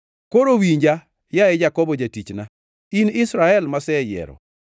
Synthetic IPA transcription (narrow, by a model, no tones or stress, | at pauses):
koɾowiɲd͡ʒa | jaɛd͡ʒakɔbɔd͡ʒatit͡ʃna | inɪsɾaɛlmasɛjɛ̰ɾɔ̰